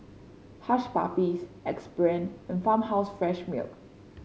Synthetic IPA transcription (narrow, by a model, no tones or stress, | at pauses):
haʃpa̰pisɛkspɹẽnɛ̃nfãmhaʊsfɹɛʃmḭlk